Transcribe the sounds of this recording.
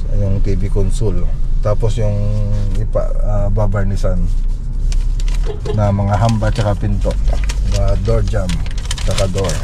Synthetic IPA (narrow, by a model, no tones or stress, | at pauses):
jʊŋt̪ibikonsʊlt̪aːposjʊŋɪpa̰ʔababajnɪsan | ɐmɐŋaɦambat͡ʃɐkapɪnt̪oʔnad̪oɹd͡ʒamt͡ʃɐkad̪oɹ